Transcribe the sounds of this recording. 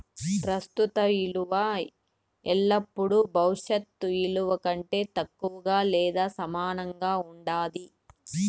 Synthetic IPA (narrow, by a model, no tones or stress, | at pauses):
pɾɐst̪ut̪ɐiluʋɐ | ɛlːɐpːuɽubʱɐwʂɐt̪ːuiluʋɐkɐɳʈe̞ːt̪ɐkːuʋɐɡaːlɛːd̪aːsɐmaːnɐŋɡaːuɳɖaːd̪i